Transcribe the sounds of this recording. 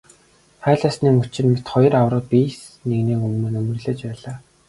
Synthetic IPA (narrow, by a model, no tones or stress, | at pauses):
χæːɮaːsniːŋɵt͡ɕɪ̆nmet̪χɔj̆rawrə̆piːs | neɣneːkɵmɵ̆ːnɵmɵ̆rɮĕːt͡ɕpæːɮaː